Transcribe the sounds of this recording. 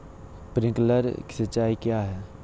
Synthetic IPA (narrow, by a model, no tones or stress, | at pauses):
pɾɪ̃ŋkləɾki̥sət͡ʃaːikjaːɦɛː